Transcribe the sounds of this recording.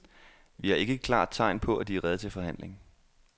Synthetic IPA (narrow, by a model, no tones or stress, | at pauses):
ʋihɑ̈e̝ɡ̥əkʰlɑ̰̈ːd̥̚t͡sʰɑ̈ɪ̰npʰɒ̽æd̥iæʁɛð̞ˠət͡sʰe̝lfɒ̽ɦæn̰le̝ŋ